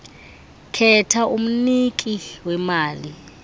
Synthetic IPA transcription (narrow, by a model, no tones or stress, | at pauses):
kʰɛtʰaʔum̩nikʼiwɛmaːli